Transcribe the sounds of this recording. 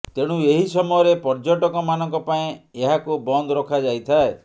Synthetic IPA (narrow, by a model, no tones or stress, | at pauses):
t̪eɽ̃ũeɦisɔmɔjɔɾepɔɾd͡ʒɔʈɔkɔmanɔŋkɔpaĩeɦakubɔnd̪ɔɾɔkʰad͡ʒajt̪ʰae